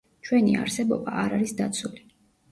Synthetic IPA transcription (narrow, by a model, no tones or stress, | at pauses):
t͡ʃʰwɛnia̰ɾsɛbɔbaʔaɾaɾisd̪at̪sʰuli